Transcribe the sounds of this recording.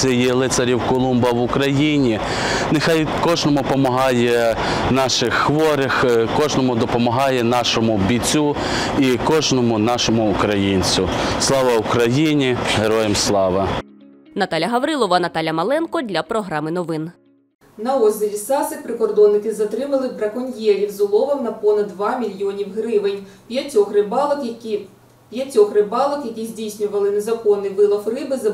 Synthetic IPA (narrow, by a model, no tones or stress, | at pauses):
sɛjɛlˠɪt̪sɐɾʲiwkɔlˠumbɐʋʊkɾɐjinʲi | nexɑjkɔʒnɔmʊpɔmɐɦɑjɛ | nɑʃɪxːʋɔɾɪxkɔʒnɔmʊd̪ɔpɔmɐɦɑjɛnɑʃɔmʊbʲit͡sʲu | ikɔʒnɔmʊnɑʃɔmʊːkɾɐjinʲt͡sʲʊslˠɑʋɐʊkɾɐjinʲiɦeɾɔjemslˠɑʋɐ | nɐt̪ɑlʲɐɦɐʋɾɪlˠɔʋɐnɐt̪ɑlʲɐmɐlˠɛnkɔd̪ʲlʲɐpɾɔɦɾɑmɪnɔʋɪn | nɐɔzʲɪlʲisɑsɪpɾɪkɔrd̪ɔnːɪkɪzɐt̪ɾɪmɐlˠɪbɾɐkɔnʲjɛɾʲiwzʊlˠɔʋɐnɐpɔnɐd̪ːʋɑmʲilʲjɔnʲiwɦɾɪʋɪnʲpʲjɐtʲɔxɾɪbɑ | pʲjɐtʲɔxrɪbɑlˠɔkjɐkʲizʲdʲijsʲnʲʊʋɐlˠɪnezɐkɔnːɪjʋɪlˠɐfrɪbɪzɐ